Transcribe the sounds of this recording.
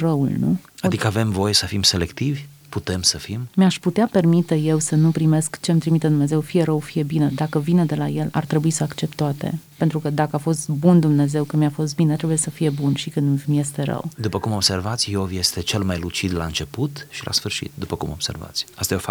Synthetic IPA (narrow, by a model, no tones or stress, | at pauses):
rəṵlnṵad̪ikəave̞mvo̞jesəfimse̞lekt̪ivʲ | put̪e̞msəfimmeaʃput̪eape̞rmit̪e̞je̞wsənupɾime̞skt͡ʃe̞mt̪ɾimit̪ed̪umnezewfije̞ɾəwfije̞bined̪akəvined̪e̞laje̞la̰rt̪ɾe̞buisəakt͡ʃe̞p̚t̪ːoat̪ḛpe̞nt̪ɾukəd̪akəafo̞st̪bund̪umne̞ze̞wkɨnmjafo̞s̬t̪binet̪ɾe̞buje̞səfije̞bunʃikɨnmje̞st̪e̞ɾə̰wd̪upəkumo̞bse̞rvat̪sʲjovje̞st̪e̞t͡ʃe̞lmajlut͡ʃid̪laɨnt͡ʃe̞put̪ʃilʔa̰sfɨrʃḭt̪̚d̪upəkumob̥se̞̰rva̰t̪sʲast̪ajeofa